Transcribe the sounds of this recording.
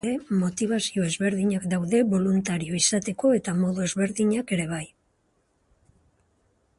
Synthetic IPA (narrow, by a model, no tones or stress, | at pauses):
e̞mo̞t̪iβ̞asio̞e̞zβe̞ɾðiɲakd̪awðe̞βo̞lunt̪aɾio̞isat̪e̞ko̞e̞t̪amo̞ðue̞zβe̞ɾðiɲake̞ɾe̞β̞aj